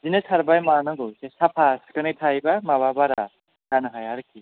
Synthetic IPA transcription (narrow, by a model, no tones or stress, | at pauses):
zinesʰaɾbajmanaɡosesapʰaskɯnekt̪ʰajbamababaɾa | danaɦajaɾɯki